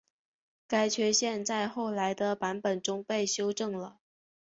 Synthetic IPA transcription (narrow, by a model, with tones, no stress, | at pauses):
ka˥ɪt͡ɕʰɥɛ˧˥ɕjɛ˥˧nt͡sa˥˧ɪxo˥˩ʊla˧˥ɪd̪ə˧pa˧˥npə˨˩nʈ͡ʂʊ˥ŋpe˥˩ɪɕjo˥ʊʈ͡ʂɤ˥˩ŋlə˩